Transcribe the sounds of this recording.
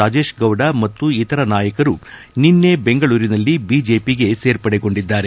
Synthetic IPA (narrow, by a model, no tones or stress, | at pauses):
aːd͡ʒe̞ːʃɡɐwɖamɐt̪ːuit̪ɐɾɐnaːjɐkɐɾu | ninːe̞beŋɡɐɭuːɾinɐlːibid͡ʒeːpiɡe̞se̞ːɾpɐɽeɡo̞ɳɖid̪ːaːɾe̞